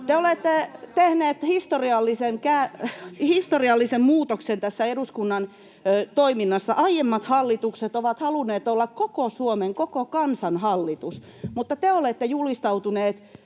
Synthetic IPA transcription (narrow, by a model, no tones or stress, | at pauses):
t̪eolet̪ːet̪ehneːt̪hist̪oriɑlːisenkæhist̪oriɑlːisemmuːt̪oksent̪æsːæeɾuskunːɑnː | t̪oiminːɑsːɑʔɑijemːɑt̪hɑlːit̪ukset̪oʋɑt̪hɑluneːt̪olːɑkkokosuomeŋkokokɑnsɑnhɑlːit̪us | mut̪ːɑt̪eolet̪ːejulist̪ɑut̪uneːt̪